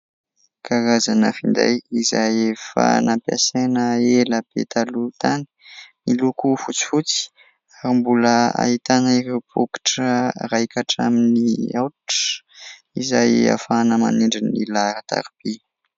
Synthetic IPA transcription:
kaɾazanəfind̪a̰jizajefa̰nampja̰senəeləb̥ḛt̪alut̪ani̥milukufut͡si̥fut͡si̥ | aɾimbuləa̰it̪aniɾibuki̥ʈ͡ʂərajkaʈ͡ʂaminiawʈ͡ʂə̥ | izaja̰fanəma̰niɳɖ͡ʐinilaɾət̪a̰ɾib̥e

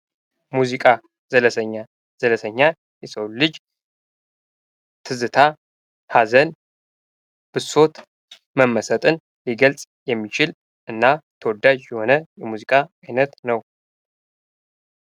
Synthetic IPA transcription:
muzikʼa | zələsʰəɲːa | z̥ələsʰəɲːa | jɛsəwlɨd͡ʒ | t̪ʰɨzɨt̪ʰa | hazən | b̥ɨso̞t̪ | məmːəsət̪ʼɨn | liɡəlt͡sʼ | jɛmːit͡ʃʰɪl | ʔɨnːat̪ʰəwɔd̪ad͡ʒjɛho̞nəjɛmuzikʼaajnət̪nəw

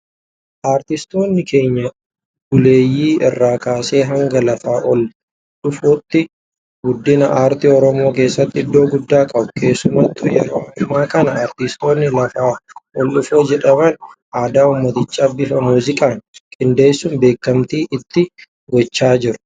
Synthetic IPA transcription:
ʔaːɾt̪ɪst̪o̞ːnːɪke̞ːɲːɐ | ɡ̥ʊle̞ːjːiːɪ̰rːaːkaːse̞ːɦɐŋɡɐlɐfaːʔɔl | ᶑʊfoːt̪ːɪ | ɡʊd̪ːɪnɐʔaːɾt̪iːɔɾɔmo̞ːke̞ːsːɐt̪ːɪɪd̪ːo̞ːɡʊd̪ːaːkʼɐbʊkʰe̞ːsːʊmɐt̪ːʊjɛ̰ɾo̞ːɐmːaːkɐnɐaːɾt̪ɪst̪o̞ːnːɪlɐfaːʔɔlɗʊfoːd͡ʒɛᶑɐbɐn | aːd̪aːumːɐt̪ɪt͡ʃːaːbɪfɐmuːzɪkʼaːŋkʼɪnd̪e̞ːsːʊmbe̞ːkːɐmt̪iːʔɪt̪ːɪ | ɡɔt͡ʃːaːd͡ʒɪɾʊ̥

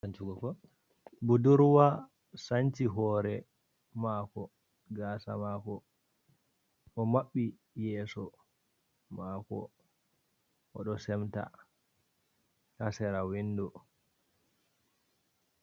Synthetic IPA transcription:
sant͡ʃuɡɔkɔ | buduɾwa | saɲt͡ʃiɦɔːɾɛ | maːkɔ | ɡaːsa̰maːkɔ | ʔɔmaɓːi | jɛːsɔ | maːkɔ̰ | ʔɔɗɔsɛmta̰ | hasɛɾawindɔ

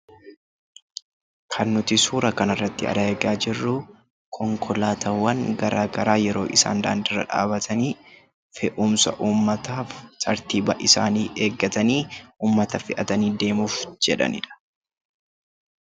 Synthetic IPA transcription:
kʰɐnːʊt̪ɪsuːɾɐkɐnɐrːɐt̪ːɪɐ̰d̪aɛɡaːd͡ʒɪrːʊ | kʰɔŋkʰɔlaːt̪ɐwːɐŋɡɐɾaːɡɐɾaːjɛɾo̞̰ːʔɪsa̰ːnd̪a̰ːnd̪ɪrːɐ̰ᶑa̰ːbɐt̪ʰɐniː | fɛʔʊːmsɐ̰ʔuːmːɐt̪aːftʼɐɾt̪iːbɐʔɪsaːniːʔeːɡːɐt̪ɐniːʔuːmːɐt̪ɐfɪʔɐt̪ɐniːd̪e̞ːmʊfd͡ʒɛᶑɐ̰nɪ̰ᶑɐ̥

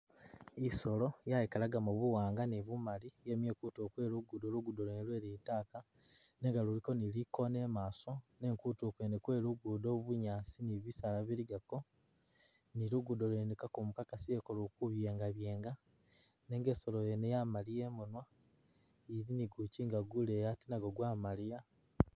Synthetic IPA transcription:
iso̞lo̞jaikalaɡamuβuwaːŋɡaniβumalijemje̞ːkuto̞ːkwe̞ːluɡudoluɡudolenilwe̞ːɾitaːka | ne̞ŋɡaluɾiko̞niliko̞ne̞maːso̞ne̞ŋkutoːkwenekwe̞ːluɡudo̞βuɲaːsiniβisalaβiɾiɡako̞ | niɾuɡudolenekakumukakasiekolukuβje̞ːŋɡaβje̞ːŋɡa | ne̞ŋɡe̞ːso̞lojenejamalije̞munwa | iɾiniɡuciŋɡaɡulejatinaɡoɡwaːmalija

